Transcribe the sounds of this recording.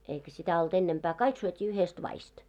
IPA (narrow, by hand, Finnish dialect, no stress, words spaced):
eikæ sitæ olt enːempæː kɑik syøtʲiː yhest ʋɑist